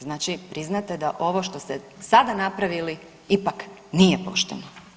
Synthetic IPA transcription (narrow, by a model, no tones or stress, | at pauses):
znaːt͡ʃipɾiznat̪ed̪aʔo̞ʋoʃt̪o̞st̪esad̪anapɾaʋili | ipaknijepo̞̰ʃt̪eno